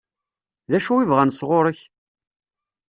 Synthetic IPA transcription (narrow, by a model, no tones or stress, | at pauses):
ðæʃuwivʁænsʁʊɾˤəç